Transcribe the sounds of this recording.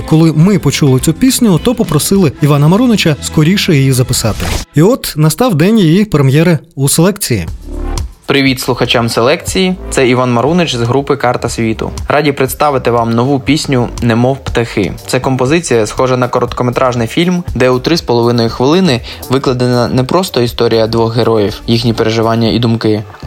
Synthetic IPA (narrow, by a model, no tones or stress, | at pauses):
kɔlˠɪmɪpɔt͡ʃulˠɪt͡sʲupʲisʲnʲʊt̪ɔpɔpɾɔsɪlˠɪiʋɑnɐmɐɾunɪt͡ʃɐskɔɾʲiʃejijizɐpɪsɑt̪ɪ̰iɔt̪nɐst̪ɑwd̪ɛnʲjijipɾemjɛɾɪuselˠɛkt͡sʲijḭ | pɾɪʋʲit̪slˠʊxɐt͡ʃamselˠɛkt͡sʲijit̪sɛiʋɑnmɐɾunɪt͡ʃzɦɾupɪkɑrt̪ɐsʲʋʲit̪ʊ̰ɾʔɑdʲipɾɪt̪st̪ɑʋɪt̪ɪʋɑmnɔʋupʲisʲnʲʊnɛmɔwpt̪ɐxɪ̰t̪sɛkɔmpɔzɪt͡sʲijɐsxɔʒɐnɐkɔɾɔt̪kɔmet̪ɾʔɑʒnɪjfʲilʲmd̪ɛut̪ɾɪspɔlˠɔʋɪnɔjʊxʋɪlˠɪnɪ | ʋɪklˠɐd̪enɐnɛpɾɔst̪ɔist̪ɔɾʲijɐd̪ʋɔxɦeɾɔjiwjixnʲipeɾeʒɪʋɑnʲːɐʔḭd̪ʊmkɪ